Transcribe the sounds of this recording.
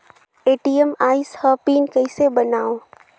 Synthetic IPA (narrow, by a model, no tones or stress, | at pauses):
eːʈijəmaːɪshəpiːnkəɪsebənaːo